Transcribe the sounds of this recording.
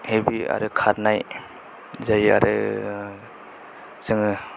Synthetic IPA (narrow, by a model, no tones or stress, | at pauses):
hebia̰ɾɯkʰaɾnaj | zaja̰ɾɯ | zɯŋ